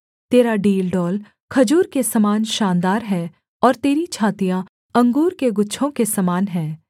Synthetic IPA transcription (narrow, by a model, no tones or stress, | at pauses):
t̪eːɾaɖiːlɖɔːl | kʰɐd͡ʒuːɾkesɐmaːnʃaːnd̪aːɾɦɛː | ɔːɾt̪eːɾit͡ʃʰaːt̪ijã | ɐ̃ŋɡuːɾkeɡʊtːʃʰõkesɐmaːnɦɛː